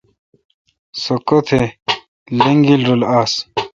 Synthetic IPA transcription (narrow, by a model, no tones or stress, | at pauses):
sokot̪ʰe | leŋɡilɾolaːs